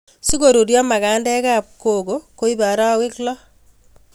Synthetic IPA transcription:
si˦ko˨ɾu˨ɾjɔ˦ma˨ka˨ndɛ˦ka˦p̚ko˨ɡo˨ko˦i˦ba˨ɾa˦wɪ˦klɔ˦

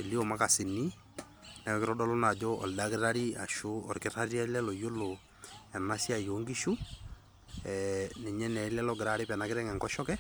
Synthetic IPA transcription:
e˨li˦ɔ˨ma˦ka˨sɪ˨ni˦ | nɛ˨˦kɪ˦ɾɔ˦dɔ˦lɔ˦na˨d͡ʒɔ˦ɔ̰˨lda˦kɪ˦ɾa˦ɾi˦a̰˨ʃu˦ɔ̰˨ɾkɪ˦ɾa˦ɾi˦a˦lɛ˦lɔ˨jo˦lo˨ | ɛ˨na˦si˦a˨jo˨˦ŋɡi˦ʃu˦ | ɛ˨nɛ˨ɲɛ˦nɛ˨˦lɛ˦lɔ˦ɡɪ˨ɾa˦ɾi˦pɛ˨na˦kɪ˦ɾɛ˦ŋɛ˨ŋkɔ˦ʃɔ˦kɛ˦

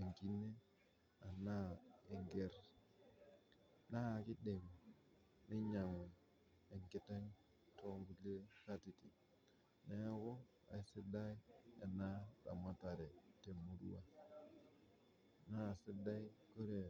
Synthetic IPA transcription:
e˨ŋki˦ne˦ | a˨na˦e˨ŋɡe˦ɾ | na˦˨ki˦de˨m˨ | ni˦ɲa˨ŋe˨ | e˨ŋki˨te˦ŋ | to˦mbu˨ke˦ka˦ti˨ti˨ | ne˦ja˦ko˦ | a̰˨i˦sɪ˦da˦i˦e˨na˦da̰˨ma˦ta˨ɾe˨te˨mu˨dṵ˦wa˦ | na˦˨sɪ˦da˦i˦ko˦ɾe˨

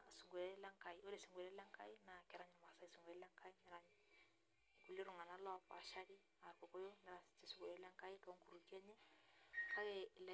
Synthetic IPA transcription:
su˨ŋɡe˨lɛ˦la˦ŋka˨ɪo˦le˨si˨ŋɡu˨lɛ˦lɛ˦ŋka˦ɪ˦na˨kɛ˨ɾa˦ɲ˨ma˨sa˦i˦su˨ŋɡɛ˨˦lɛ˦ŋkʰa˦ɪ˦nɛ˨ɾa˦ɲ˨ | ku˨li˦ɾʊ˨ŋa˨na˦lɔ˦pa̰˨ʃa˦ɾɪ˦ | a˨ɾko˨ko˦jo˦nɛ˨ɾa˨sɪ̥t͡ʃe˨su˦ŋɡu˨lɛ˦lɛ˦ŋ˦ka˦ɪ˦ka˨o˦ŋku˨ɾu˨ki˦ɛ˦ɲɛ˦ka˦ɛlɛ

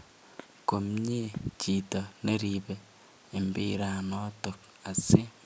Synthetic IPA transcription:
ko˨mɲe˦t͡ʃi˨to˨ne˦ɾiβe | e˨mbi˦ɾa˨noto˨k | a˨se˦

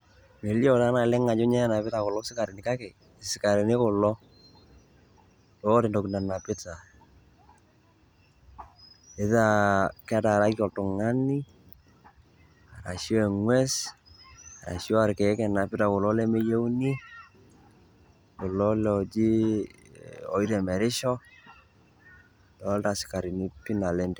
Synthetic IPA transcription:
me˨ljɔ˦ta˦na˨lɛ˦ŋa˨d͡ʒʊ˦ɲɛ˦na˨pɪ˦ta˨kɔ˨lɔ˦sɪ˦ka˨ɾɪ˨nɪ˨ka˦kɛ˨ | sɪ˨ka˨ɾɛ˨ne˦kɔ˨lɔ˦ | tɔ˦ɾɪ˨ndɔ˨kna˨na˨pɪ˦ta˨ | e˨ða˦˨ka˦ta˨ɾa˦ki˦ɔ˨ltʊ˨ŋa˦ni˦ | a˨ɾa̰˨ʃɔ˦ɛ˨ŋwɛ˦s | a˨ɾa̰˨ʃɔ˦a˨ɾkɛ˨ɛ˦kɛ˨na˨pɪ˦ta˨kʊ˨lɔ˦lɛ˦me˦je˦wni˦ | ko˨lɔ˦lɛ˨ɔ˨d͡ʒi˦ | ɔ̰˨i˦ɾɛ˨mɛ˨ɾɪ˦ʃɔ˦ | tɔ˨˦lta˨sɪ̥˨ka˨ɾi˨ni˦pi˦na˨lɛ˦ndɛ˨

